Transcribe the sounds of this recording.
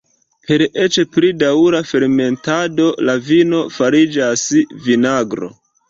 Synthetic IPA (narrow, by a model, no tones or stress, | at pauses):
pe̞ɾe̞t͡ʃeplidauɾafe̞ɾme̞ntado̞lavino̞faɾid͡ʒasvinaɡɾo̞̰